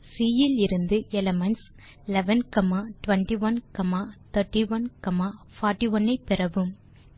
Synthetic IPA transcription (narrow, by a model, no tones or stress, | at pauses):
siːjɪlɪɾɯnd̪ɯɛlɐmɐns | lɛʋɐnkɐmaːʈʋɐɳʈiʋɐnkɐmaːt̪ʰɐɾʈːiʋɐnkɐmaː | faːʈːiʋɐnːɐɪpːɪɾɐʋɯm